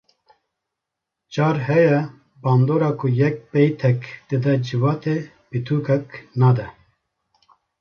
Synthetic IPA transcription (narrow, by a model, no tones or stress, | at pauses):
t͡ʃɑːɾɦɛjɛ | bɑːnd̪oːɾɑːkʰujɛk̚pɛjt̪ʰɛkd̪̥ɨd̪ɛd͡ʒɨvɑːt̪e | pit̪ʰuːkʰɛknɑːd̪ɛ